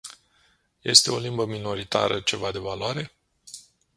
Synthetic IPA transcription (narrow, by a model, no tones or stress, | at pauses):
je̞st̪e̞o̞limbəmino̞ɾit̪a̰ɾət͡ʃe̞vad̪e̞valwaɾe̞